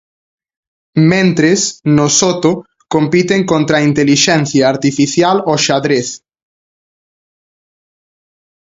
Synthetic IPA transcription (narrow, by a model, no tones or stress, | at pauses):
mẽnt̪ɾesnosot̪o | kompit̪eŋkont̪ɾaint̪eliʃẽn̟θjaːɾt̪ifiθjaloʃaðɾeθ